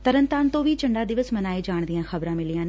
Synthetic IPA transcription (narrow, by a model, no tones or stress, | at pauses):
t̪əɾənt̪aːnt̪õːʋiːt͡ʃəɳɖaːd̪ɪʋəsmənaːiːd͡ʒaːɳd̪ɪjãːxəbɾãːmɪlijãːn